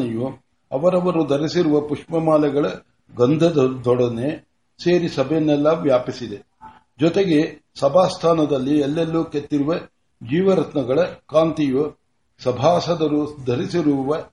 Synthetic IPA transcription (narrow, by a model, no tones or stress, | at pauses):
ɐju | ɐʋɐɾɐʋɐɾud̪ʱɐɾisiɾuʋɐpuʂmɐmaːlɛɡɐɭɐ | ɡɐnd̪ʱɐd̪d̪ɔɽɐne | seːɾisɐbʱɐjɐnːɛlːɐʋjaːpisid̪e̞ | d͡ʒɔt̪eɡe̞sɐbʱaːst̪ʰaːnɐd̪ɐlːielːelːuket̪ːiɾuʋɐ | d͡ʒiːʋɐɾɐt̪nɐɡɐɭɐkaːnt̪iju | sɐbʱaːsɐd̪ɐɾud̪ʱɐɾisiɾuʋɐ